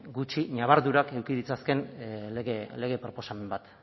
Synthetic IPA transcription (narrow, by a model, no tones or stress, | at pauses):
ɡut͡ʃiɲaβ̞aɾðuɾake̞wkiðit͡saske̞neɣele̞ɣ̞e̞pɾo̞po̞same̞mbat̪